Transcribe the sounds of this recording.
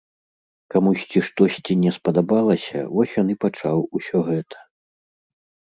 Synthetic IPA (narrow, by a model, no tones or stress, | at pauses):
kamusʲt͡sʲiʂt̪ɔsʲt͡sʲinʲɛspɐd̪abalˠɐsʲɐ̰vɔsʲjɔnipat͡ʂawusʲɔɣɛt̪ʰɐ̥